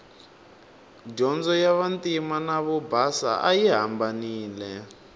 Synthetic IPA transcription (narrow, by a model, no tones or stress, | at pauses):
d͡ʒɔnd͡zɔjaβantimanaβɔbasa̰ʔajiɦa̰mbaniːlɛ